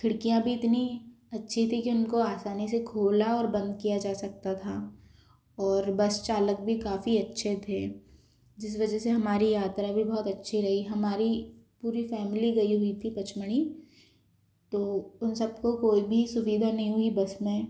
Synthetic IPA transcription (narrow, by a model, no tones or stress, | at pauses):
kʰɪɽkijãbʱiɪt̪ni | ɐtːʃʰit̪ʰikiʊnkoaːsaːnisekʰoːlaɔːɾbɐ̃nd̪kijad͡ʒaːsɐk̚t̪at̪ʰa | ɔːɾbɐst͡ʃaːlək̚bʱikaːfiɐtːʃʰet̪ʰeː | d͡ʒɪs̬ʋɐd͡ʒəseɦɐmaːɾijaːt̪ɾabʱibɔɦɔt̪ɐtːʃʰiɾɐɦiɦɐmaːɾipuːɾifɛːmɪliɡɐiɦʊit̪ʰipɐt͡ʃməɽ̃i | t̪oːʊnsɐb̚kokoːibʱisʊʋiːd̪ʱanɐɦĩɦʊibɐsmẽ